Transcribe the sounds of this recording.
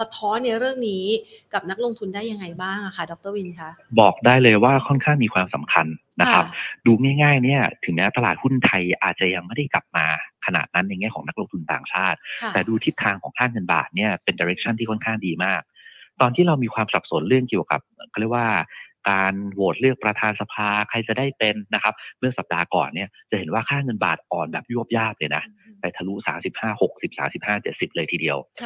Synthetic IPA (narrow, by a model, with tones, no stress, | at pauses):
sa˧t̪ʰɔː˦˥nːi˥˩ɐɾɯ˥˩əŋniː˦˥ | ka˨˩p̚na˦˥k̚lo˧ŋt̪ʰu˧ndaː˥˩jːa˧ŋːa˧jbaː˥˩ŋʔa˨˩kʰa˦˥˩dɔː˨˩k̚t̪ɤː˥˩wi˧nkʰa˦˥bɔː˨˩k̚daː˥˩jlɤː˧jwaː˥˩kʰɔ˥˩nkʰaː˥˩ŋmiː˧kʰwaː˧msa̰˩˦mkʰa˧nːa˦˥kʰa˦˥p̚duː˧ŋaː˥˩jŋaː˥˩jni˥˩ɐt̪ʰɯ˩˦ŋmɛː˦˥wt̪a˧laː˨˩t̪̚hu˥˩nt̪ʰa˧jʔa̰ː˨˩t̪̚t͡ɕa˨˩ja˧ŋma˥˩jda˥˩jkla̰˨˩p̚maː˧kʰa˧na̰ː˨˩t̪̚na˦˥nːa˧jŋɛː˥˩kɔ˩˦ŋna˦˥k̚loː˧ŋt̪ʰu˧nt̪a̰ː˨˩ŋt͡ɕʰaː˥˩t̪̚ɛː˨˩duː˧t̪ʰi˦˥t̪̚ʰːaː˧ŋkʰɔː˩˦tʰaː˥˩ŋɯː˧nba̰ː˨˩t̪̚ni˥˩ɐpe˧ndaː˧ɾe˦˥k̚t͡ɕʰa˥nt̪iː˥˩ɔ˥˩nkʰaː˥˩ŋdiː˧maː˥˩k̚t̪ɔː˧nt̪ʰiː˥˩ɾa˧wmiː˧kʰwaː˧msa˨˩p̚so˩˦nɾɯ˥˩əŋki˨˩əwka̰˨˩p̚ːkʰɔ˥ɾə˩waː˥˩kaː˧nwoː˨˩t̪̚lɯ˥˩ək̚pɾa˧t̪ʰaː˧nsa˧pʰaː˧kʰa˧jt͡ɕa˨˩daː˥˩jpe˧nːa˦˥kʰa˦˥p̚mɯ˥˩əsa˨˩p̚daː˧kɔ̰ː˨˩nːi˥˩ɐt͡ɕa˨˩he˩˦nwaː˥˩kʰaː˥˩ŋɤ˧nba̰ː˨˩t̪̚ʔɔː˨˩nbɛ̰ː˨˩p̚ju˥˩əp̚jaː˥˩p̚lɤː˧jna˦˥pa˧jt̪ʰa˧lu˦˥saː˩˦msi˨˩p̚haː˥˩ho˨˩k̚si˨˩p̚sa̰ː˩˦msi˨˩p̚haː˥˩t͡ɕe˨˩t̪̚si˨˩p̚lɤː˧jt̪ʰiː˧di˧əw